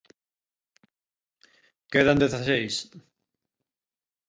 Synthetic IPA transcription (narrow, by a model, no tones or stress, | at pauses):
keðand̪eθasejs